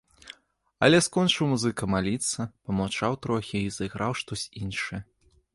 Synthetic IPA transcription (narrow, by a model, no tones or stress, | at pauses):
ɐ̰lʲɛskɔnt͡ʂɨwmuzɨkɐmalʲit̪sːɐpɐmawt͡ʂawt̪ɾɔxʲiizɐjɣɾawʂt̪ɔsʲinʂɨjɐ